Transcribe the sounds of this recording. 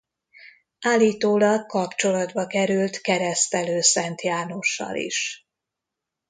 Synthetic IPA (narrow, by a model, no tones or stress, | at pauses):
aːlːiːt̪oːlɒkkɒpt͡ʃo̞lɒd̪bɒkɛɾylt̪kɛɾɛst̪ɛløːsɛnt̪jaːno̞ʃːɒ̰lḭʃ